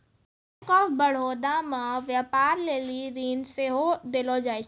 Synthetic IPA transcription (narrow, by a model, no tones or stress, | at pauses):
kəbəɽ̤oːd̪amãʋjaːpaːɾleːliɾiːnseɦod̪eːlod͡ʒaːe